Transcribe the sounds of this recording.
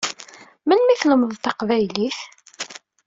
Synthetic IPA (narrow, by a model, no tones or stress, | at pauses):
mənmiθləməðˤt̪ɑqvæjliθ